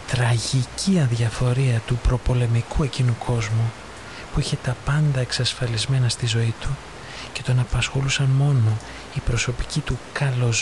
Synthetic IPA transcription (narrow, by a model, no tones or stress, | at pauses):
t̪ɾɐʝicʰiɐnðʝɐfo̞ɾiɐt̪upɾo̞po̞le̞mikue̞cinukʰo̞zmu | puiçe̞t̪ɐpɐnd̪ɐeksɐsfɐlizme̞nɐst̪izo̞it̪u | ce̞t̪o̞nɐpɐsxo̞lusɐnmo̞no̞ | ipɾo̞so̞pi̥cit̪ukɐlo̞z